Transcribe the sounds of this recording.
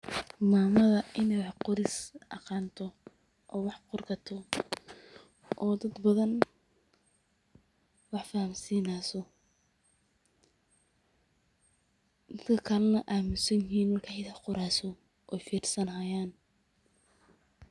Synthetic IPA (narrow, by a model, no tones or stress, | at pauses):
maːmɐðɐʔɪnɛjwɑħqʊɾɪsʔɐqɑːnt̪ʰɔ | ʔɔːwɑħqʊrɡɐt̪ʰɔ | ʔɔːd̪ɐd̪bɐðɐn | wɑħfɐhɐmsiːnasɔ | d̪̥ɐt̪kʰɐkʰɐlɐnɐʔaːmɪsɐjɪɦiːnwɐrkʰɐħɪðɐħqʊɾaːsɔ | ʔɛjfiːrsɐnɦɐjaːn